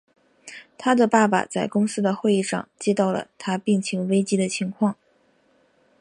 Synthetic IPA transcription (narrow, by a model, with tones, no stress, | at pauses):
t̪ʰa˥d̪ə˨pa˥˩pa̰˨˩t͡sa˥˩ɪkʊ˥ŋsɹ̩˥d̪ə˨xwe˥˧ɪi˥˧ʂɑ̰˥˧˩ŋt͡ɕjɛ˥t̪ɑ˥˩ʊlə̰˩t̪ʰa˥pi˥˩ŋt͡ɕʰi˧˥ŋwe˥ɪt͡ɕi˥d̪ə˨t͡ɕʰi˧˥ŋkʰwɑ˥˩ŋ